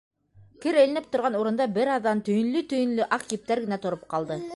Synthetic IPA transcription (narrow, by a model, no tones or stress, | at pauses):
kɘɾɘ̆lɘ̆nɘp̚t̪ŏɾʁɑnuɾɤ̆nd̪ɑbɘɾɑðːɑnt̪ɵ̆jɘ̆nlɵt̪ɵ̆jɘ̆nlɵʔɑqjip̚t̪æɾɡɘ̆næt̪ŏɾop̚qɑlˠd̪ɤ